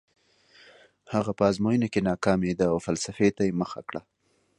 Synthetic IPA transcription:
haɣapəːzmojənakenɑkɑmed̪aːwfalsafet̪ajeməxa̰kɽa

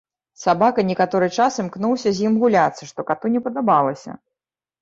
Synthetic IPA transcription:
sabakɐnʲɛkat̪ɔɾɨt͡ʂasɨmknuwsʲɐzʲjimɣulʲat̪sːɐʂt̪ɔkat̪unʲɛpɐd̪abalˠɐsʲɐ̰

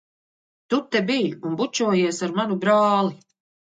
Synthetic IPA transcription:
t̪ut̪ːɛbijunbut͡ʃuɔjiɛsaɾmanubɾaːlˠi

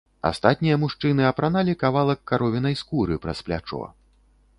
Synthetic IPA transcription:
a̰st̪at̪̚ʲnʲijɐmuʂt͡ʂɨnɨɐpɾanalʲikavalˠɐkːaɾɔvʲinɐjskuɾɨpɾɐ̰splʲa̰t͡ʂɔ̰

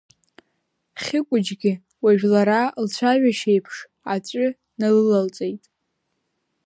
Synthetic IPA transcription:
χʲɪkʷʼʊd͡ʒɡʲɪ | waʒᶣlaɾalt͡ɕʷʰaʒᶣaʃejpʰʂ | at͡ɕʷʼʏ | nalɨlalt͡sʷʼejtʼ

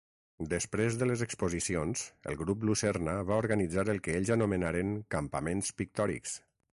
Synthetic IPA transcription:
d̪əspɾezðələzəkspuzisionz̥ə̰lˠɣɾuplusɛɾnəβauɾɣənid͡zaɾəlˠkəeʎzənumənaɾəŋkəmpəmenspik̚t̪ɔɾḭks

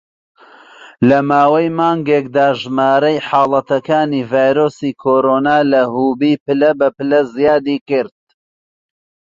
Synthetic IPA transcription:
lɐmaːwɐjmaːŋɡeːkd̪aːʒmaːɾɐjħɑːlˠɐt̪ɐkaːniːvaːjɾoːsiːkʰoːɾoːnaːlɐhuːbiːpɨlɐbɐpɨlɐzijaːd̪iːkɨɾd̪̥̚

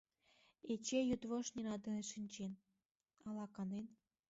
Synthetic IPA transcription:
et͡ɕejut̪βoʃnʲinɑd̪ɤ̆neʃinʲt͡ɕen | ɑlɑkɑnen

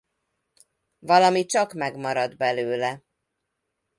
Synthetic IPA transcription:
vɒlɒmit͡ʃɒkmɛɡmɒɾɒd̪bɛløːlɛ

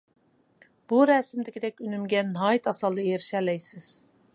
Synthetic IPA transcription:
b̥uɾɛːsɪmd̪ɪkʲid̪ɛkʲynymɡʲɛnɦɑːjit̪ɑsɑlˠd̪ɨjeɾɪʃɛlɛjsɪz̥

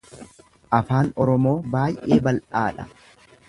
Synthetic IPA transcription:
ʔɐfaːnɔɾɔmo̞ːbaːjʔe̞ːbɐlʔaːᶑɐ

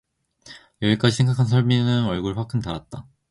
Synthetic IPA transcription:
jʌik͈ad͡ʑisʰe̞ŋɡakʰans̬ʰʌɭminɯnʌɭɡuɭɸwak͈ʰɯntaɾat̚t͈a

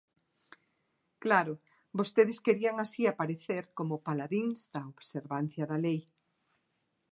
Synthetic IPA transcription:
klaɾʊ | bost̪eðɪskeɾiaŋasiapaɾeθeɾkomʊpalaðiŋzðɐoβseɾβanθjɐðɐlej

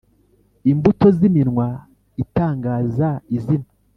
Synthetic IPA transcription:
imbuto̞ziminŋwa | itaːŋɡaːzaizina

